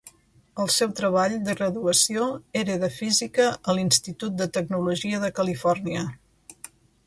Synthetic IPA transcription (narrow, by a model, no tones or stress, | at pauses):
əlˠsɛwt̪ɾəβ̞aʎd̪əɣɾəðuəsioeɾəðəfizikəʔəlinst̪it̪ut̪̚d̪ət̪əɡnuluʒiəðəkəlifɔrniə